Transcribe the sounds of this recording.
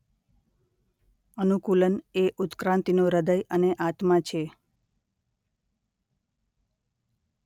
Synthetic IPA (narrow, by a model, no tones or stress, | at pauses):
ənukuləneʔut̪kɾãnt̪inoɾəd̪əjəneʔat̪mãt͡ʃʰe